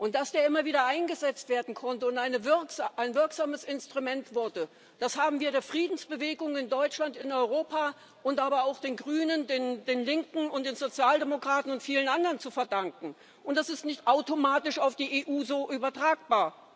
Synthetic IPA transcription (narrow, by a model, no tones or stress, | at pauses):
ʔʊnt̚d̥asd̥eːɐɪmɐviːdɐʔaɪnɡəzɛt͡stv̥eːɐdn̩kʰɔntəʊntʔaɪnəvɪɐkʔaɪnvɪɐkz̥aːməsɪnstʁ̥umɛntv̥ʊɐdə | d̥ashaːbm̩viːɐɾeːɐfʁ̥iːdn̩sb̥əveːɡʊŋɪndɔʏt͡ʃlantɪnɔʏʁoːpʰaː | ʔʊntʔaːbɐaʊxd̥eːnɡʁyːnəndeːnd̥eːnlɪŋkŋ̩ʊntd̥eːnzot͡sjaːldemokʁ̥aːtn̩ʊntfiːlənʔandɐʁənt͡sufɛɐdaŋkŋ̩ | ʔʊntd̥asɪstnɪçtʔaʊtomaːtɪʃaʊfd̥iːʔeːʔuːzoːʔyːbɐtʁ̥aːk̚b̥aːɐ